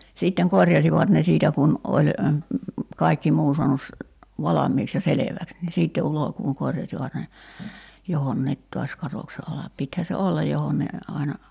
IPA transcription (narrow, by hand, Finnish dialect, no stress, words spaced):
siːtːeŋ korjɑsiʋɑt ne siːtæ kun olʲ kɑikːi muː suɑnus ʋɑlɑmˑiːks jɑ seleʋæks ni siːtːe ulokuːŋ korjɑsiʋɑt ne johonːiːt to̝ɑs kɑtokse ɑlɑp pithæ se olːɑj johon ne ɑinɑ